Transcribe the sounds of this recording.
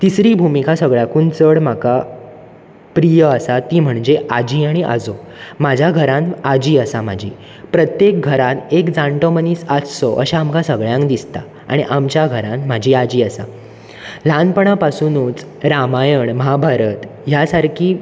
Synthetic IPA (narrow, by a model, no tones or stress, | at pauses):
t̪isɾiːbʱumikasəɡɭjakuːnt͡səɽm̤aka | pɾijəəsat̪iːm̤əɳd͡ʑeʔad͡ʑiːaɽ̃iʔa̰d͡zo | mad͡ʑʱaɡʱəɾãnad͡ʑiːəsamad͡ʑʱḭː | pɾət̪jek̚ɡʱəɾãt̪ekd͡zãɳʈoməniːsat͡ssɔʔə̰ɕaamkasəɡɭjãŋkd̪ist̪a̰ | a̰ɽ̃iʔamt͡ɕjaɡʱəɾãnm̤ad͡ʑʱiːad͡ʑiːəsa̰ | lanpəɳ̃apasunuːt͡s | ɾamajəɳməɦabʱaɾət̪ | jasaɾkʰiː